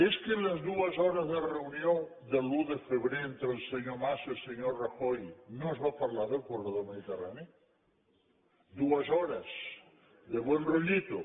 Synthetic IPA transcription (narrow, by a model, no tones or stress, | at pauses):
eskelazðuazoɾazðereunjond̪eluðefeβɾeent̪ɾelseɲomaselseɲoɾraxojnozβapaɾlaɾðelkwoɾeðoɾmeðit̪era̰neo | d̪uasoɾas | ðeβwenroʎit̪o̰